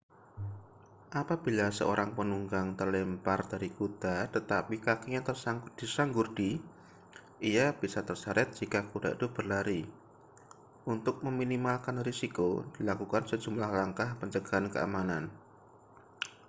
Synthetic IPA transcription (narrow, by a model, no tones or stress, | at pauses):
ʔapab̥ilasə̰oɾʔaŋpənuŋɡaŋt̪ərlɛmpardaɾikut̪at̪ət̪apikakijat̪ərsaŋd̪̥isaŋɡurd̥i | ijab̥isat̪ərsaɾʔɛt̪̚d͡ʒ̥ikakuda̰ʔd̪ob̥ərlaɾi | ʔunt̪ʊk̚məminimalkanrisikod̥ilakukansə̥d͡ʒumlahlaŋkahpəɲt͡ʃəɡ̥aɦankə̰a̰manan